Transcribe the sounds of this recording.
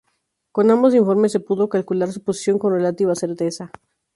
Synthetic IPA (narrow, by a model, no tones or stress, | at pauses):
ko̞nãmbo̞s̬iɱfo̞ɾme̞se̞puðo̞kalkulaɾsuposi̥sjo̞ŋko̞nre̞lat̪iβase̞ɾt̪esa